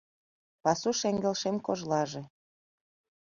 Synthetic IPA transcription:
pɑsuʃeŋɡĕlʃemkoʒlɑʒĕ

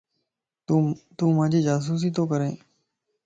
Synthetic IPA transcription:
t̪ũːmãːd͡ʒʱiːd͡ʒaːs̬uːs̬iːt̪oːkəɾẽː

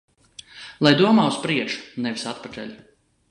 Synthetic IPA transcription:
lˠajd̪uɔmaːuspɾiɛkʃu̥nɛvisat̪pat̪ɛ̰lʲ

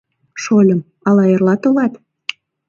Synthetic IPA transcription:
ʃolʲə̆m | ɑlɑjerlɑt̪olɑt̪

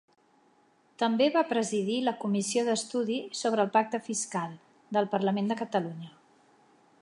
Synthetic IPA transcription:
t̪əmbeβapɾəziðiləkumisioðəst̪uðisoβɾəːlˠpak̚t̪əfiskalˠ | d̪əlˠpərləmend̪əkət̪əluɲə

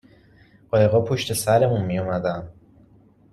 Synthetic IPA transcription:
ɢɒːjeɣɒːpʰo̞ʃt̪e̞sæɾe̞munmijomæd̪æm

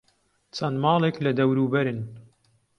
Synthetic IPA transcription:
t͡sɐnmɑːlˠeːklɐd̪ɐwɾuːbɐɾɨn

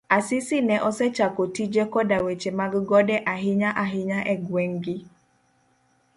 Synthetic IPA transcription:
asɪsɪnɛʔɔsɛt͡ʃakotid͡ʒɛkɔdawet͡ʃemaɡɡɔdɛʔaɦɪɲaʔaɦɪɲaʔɛɡwɛŋɡɪ

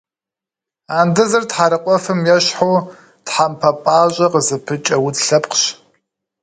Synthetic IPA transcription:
aːndɨzɐrtħaɾɨqʷʼɔfɨmjɛɕħo | tħampʰɐpʼaːɕʼɐqəzɨpʰɨt͡ʃʼɐwʊtɬɐpqɕ

